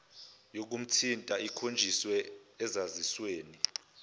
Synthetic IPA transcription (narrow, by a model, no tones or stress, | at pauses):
jok̬um̩tʰintʼaikʰond͡ʒʱiswɛːzazisweːni